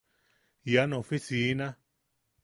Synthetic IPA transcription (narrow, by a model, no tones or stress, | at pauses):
janõfisinã